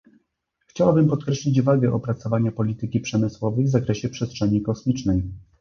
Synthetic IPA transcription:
xt͡ɕawabɘmpɔt̪̚kɾɛɕlʲid͡ʑvaɡɛʔɔpɾat̪sɔvaɲapɔlʲit̪ɘkʲipʂɛmɘswɔvɛjvzakɾɛɕɛpʂɛstʂɛɲikɔsmʲit͡ʂnɛj

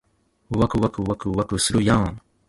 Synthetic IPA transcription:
wakuwakuwakuwakusɨɾujaŋ

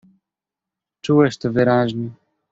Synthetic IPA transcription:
t͡ʂuwɛʃt̪ɔvɘɾaʑɲɛ

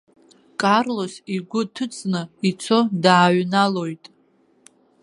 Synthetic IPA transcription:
kʼarlo̞siɡʷʊtʰɨt͡sʼnɨit͡sʰo̞daːɥnalo̞jtʼ

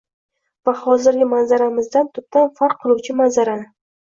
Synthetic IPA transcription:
vahɒzɪɾɡʲɪmanzaɾamɪzd̪ant̪ʰʊp̚t̪ʰanfaɾqʰːɨlˠuwt͡ʃʰɪmanzaɾanɪ

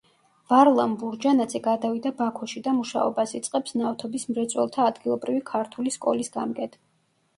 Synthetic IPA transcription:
vaɾlˠambuɾd͡ʒanad̪zɛɡad̪avid̪abakʰɔʃid̪amuʃa̰ɔ̰basit̪sʼqʼɛpsnaft̪ʰɔbismɾɛt̪sʼwɛ̰lˠt̪ʰaːd̪ɡilˠɔbɾivikʰaɾt̪ʰuliskʼɔ̰lisɡamɡɛt̪ʰ

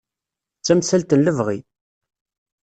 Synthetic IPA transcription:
t͡sːæmsælt̪ənləvʁi

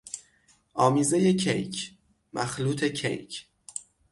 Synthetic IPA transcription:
ʔɒːmiːze̞jecʰejcʰ | mʔæxluːt̪ʰe̞cʰḛjcʰ

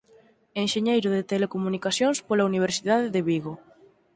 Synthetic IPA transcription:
enʃeɲejɾʊðet̪elekomunikasjonspolauniβ̞eɾsiðaðeðeβiɣo

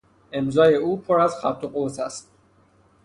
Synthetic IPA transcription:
e̞mzɒːje̞uːpʰoɾæzxæɾt̪ʰoɢot̪ʰæst̪̚

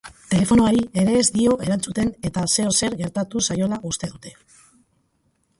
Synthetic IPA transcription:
t̪e̞le̞fo̞noaɾie̞ɾe̞ːzd̪io̞ʔe̞ɾant͡sut̪e̞ne̞t̪ase̞ose̞ɾɣe̞ɾt̪at̪usajo̞laʔust̪e̞ðut̪e̞

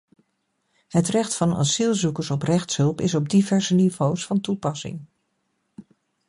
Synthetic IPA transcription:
ɦətrɛχtfɑna̰zilˠzukəɹsɔprɛχtsɦɵlˠpɪsɔb̚divɛɹzənivowsfɑntupɑsɪ̰ŋ

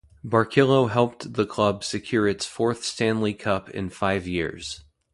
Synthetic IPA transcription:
bɑɹkʰɪlˠoʊɦɛlˠp̚ðəkʰl̥ʌbsɨkʰj̥ʊɹɨtsfɔɹθstæ̃nlikʰʌpʰɪ̰̃nfaɪvjɪ̰ɹz̥

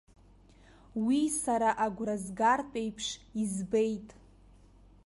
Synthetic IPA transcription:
wisaɾaʔaɡʷrazɡartʷʼejpʰʂizbejtʼ

